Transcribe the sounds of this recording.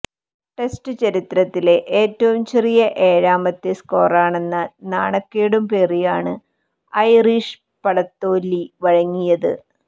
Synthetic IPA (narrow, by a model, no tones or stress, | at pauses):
ʈe̞stɨt͡ɕɐɾit̪ɾɐt̪ːile̞ʔeːtːɐʋumt͡ɕerijɐʔe̞ːɻaːmɐt̪ːesko̞ːraːɳe̞nːɐnaːɳɐkːejɽumpeːrijaːɳɨ | ɐjriʂ | pɐɽɐt̪ːo̞ːlːiʋɐɻɐŋːijɐðɨ̰